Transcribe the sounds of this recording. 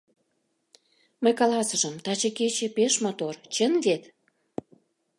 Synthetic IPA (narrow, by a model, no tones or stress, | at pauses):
məjkɑlɑsəʒəmt̪ɑt͡ɕĕket͡ɕĕpeʃmot̪ort͡ɕə̆nvet̪